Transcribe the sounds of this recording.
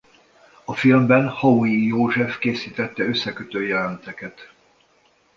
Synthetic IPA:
ɒfilmbɛnhɒwijoːʒɛfkeːsiːt̪ɛt̪ːɛø̞sːɛkøt̪øːjɛlɛnt̪ɛkɛt̪

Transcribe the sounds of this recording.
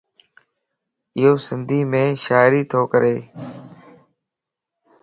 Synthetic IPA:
ɪɦoːsɪnd̪ʱiːmẽːʃaːɪɾiːt̪ʰoːkəɾeː

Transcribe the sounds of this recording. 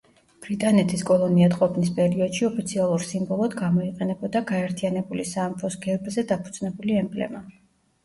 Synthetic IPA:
b̥ɾit̪ʼanɛt̪ʰiskʼɔlˠɔniat̪qʼɔpʰnispʼɛɾiɔd̪̥ʃiɔpʰit̪sʰialˠuɾsimbɔlˠɔd̪ɡamɔiqʼɛnɛbɔd̪aɡaɛɾt̪ʰianɛbulisaːmpʰɔsɡ̥ɛɾbzɛd̪apʰud̪z̥ʼnɛbuliɛmbʼlɛ̰ma

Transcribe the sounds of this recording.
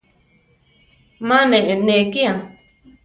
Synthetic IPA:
mãnẽʔenẽkia

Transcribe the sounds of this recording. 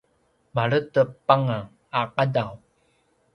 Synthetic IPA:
maɾətəpaŋa | aqadaw

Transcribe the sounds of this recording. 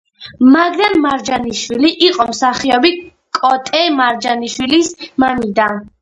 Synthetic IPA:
maɡɾanmaɾd͡ʒaniʃwiliʔiqʼɔmsaχiɔbi | kʼɔt̪ʼɛmaɾd͡ʒaniʃwilismamid̪an

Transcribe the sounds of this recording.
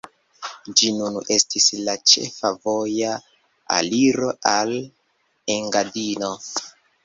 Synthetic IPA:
d͡ʒinune̞stislat͡ʃe̞̰favo̞ja | a̰liɾo̞ʔal | eŋɡadino̞

